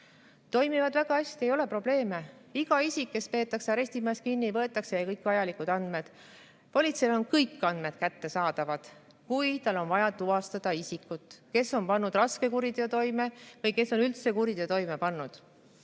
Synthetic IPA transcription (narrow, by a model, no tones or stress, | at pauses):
t̪o̞jmivɑd̪̥væɡ̥ɑɑsʲt̪ie̞jo̞le̞pro̞b̥le̞ːme̞iɡ̥ɑisʲikːe̞spe̞ːt̪ːˑɑkseɑɾe̞sʲt̪imɑskinʲːivɤe̞t̪ːˑɑkse̞jɑkɤjkvɑjɑlikud̪̥ɑnd̪̥me̞d̪̥ | po̞lʲit̪selo̞nkɤjkːˑɑnd̪me̞d̪̥̚kæt̪ːe̞sɑːd̪̥ɑvɑd̪̥ | kujt̪ɑlːo̞nvɑjɑt̪uɑst̪ɑd̪̥ɑisikːˑut̪ːˑke̞so̞npɑnːud̪rɑske̞kuɾid̪eot̪o̞jme̞vɤjke̞so̞nylt̪se̞kuɾid̪et̪o̞jme̞pɑnːud̪̥